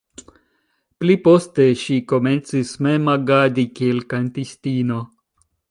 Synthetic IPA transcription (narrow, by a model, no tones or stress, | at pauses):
plipo̞ste̞ʃiko̞ment͡sismemaɡadikielkantistino̞